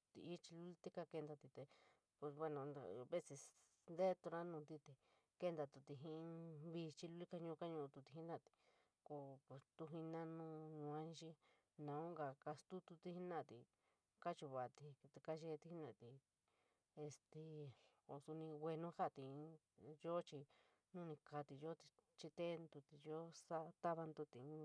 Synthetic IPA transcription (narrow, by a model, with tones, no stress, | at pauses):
t̪ḭ˧˨i˦t͡ʃi˧lu˦lt̪i˦ka˧ke˧nd̪a˧t̪i˧t̪e˧ | pe˧we˧nã˧βe˦se˧ | nd̪e˦˧t̪u˧ɾã˦nũ˧t̪i˧t̪e˨ | ke˦nd̪a˧t̪u˧t̪i˧ɦĩ˦˧˦βi˧t͡ʃi˧lu˧˦li˦ka˧ɲũ˧ka˦ɲũ˧t̪u˧t̪i˧ɦĩ˦nã˧˨t̪i̥˧ | ko˧˨t̪u˧ɦĩ˧nã˦nũ˦˧ɲũ˧ã˦ĩ˧˦ʃi˦ | nã˨ũ˦ŋɡa˧˨ka˧st̪u˦t̪u˧t̪i˧hi˦nã˧˨t̪i˨ | ka˦t͡ʃu˧βa˨t̪i˧t̪u˧ka˦ʒe˧t̪i˧˦hi˦nã˧˨t̪i˨ | e˧st̪e˧ | o˧su˧nĩ˧wʷe˧nũ˦ha˦˨t̪ĩ˨˦ | jo˦t͡ʃi˧ | nũ˦nĩ˧ka˧t̪i˨jo˦t̪i̥˧t͡ʃi˧t̪e˦nd̪u˧t̪i˧˨jo˦sa˦t̪a˦βa˧nd̪u˧t̪ĩ˨˦